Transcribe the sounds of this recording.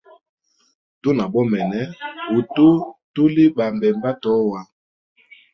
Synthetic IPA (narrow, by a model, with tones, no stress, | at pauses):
to˦na˨bɔ˦mɛ˨nɛ˦o˨to˦tu˦li˦ba˨mbɛ˨mba˦tɔ˨˦wa˦